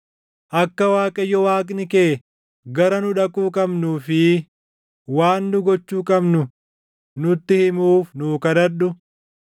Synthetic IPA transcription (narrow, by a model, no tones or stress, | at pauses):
ʔɐkːɐwaːkʼɐjːɔwaːkʼnɪke̞ː | ɡɐɾɐnʊᶑɐkʼuːkʼɐbnuːfɪ | waːnːʊɡɔt͡ʃːuːkʼɐbnʊ | nʊt̪ːɪhɪmuːfnuːkɐd̪ɐᶑʊ